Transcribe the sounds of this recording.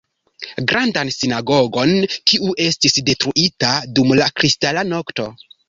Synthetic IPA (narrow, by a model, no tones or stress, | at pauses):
ɡɾandansinaɡo̞ɡo̞nkiʔuʔe̞stisde̞tɾuʔitadumlakɾistalano̞kto̞